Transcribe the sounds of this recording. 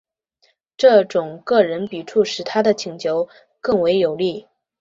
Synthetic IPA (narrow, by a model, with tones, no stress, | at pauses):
ʈ͡ʂɤ˥˩ʈ͡ʂʊ˨˩ŋkɤ˥˩ɻə˧˥npi˨˩ʈ͡ʂʰu˥˩ʂɻ̩˧˥t̪ʰa˥d̪ə˨t͡ɕʰi˨˩ŋt͡ɕjo˧˥ʊ | kɤ˥˩ŋwe˧˥ɪjo˨˩ʊli˥˩